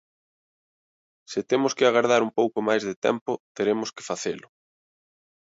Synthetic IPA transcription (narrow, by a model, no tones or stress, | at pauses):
sɪt̪emʊskɪaɣaɾð̞aɾumpowkʊmajzðet̪ɛ̰mpʊt̪eɾemʊskɪ̥faθelʊ